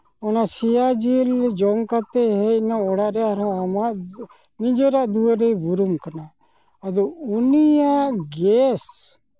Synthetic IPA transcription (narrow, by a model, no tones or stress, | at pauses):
ɔnasijad͡ʒild͡ʒɔŋɡkat̪ɛɦɛinaɔɽaʔɾɛaɾɔ̃amaʔ | nid͡ʒɔɾaʔd̪ueɾɛibuɾumkana | ɐd̪uunijaʔɡɛs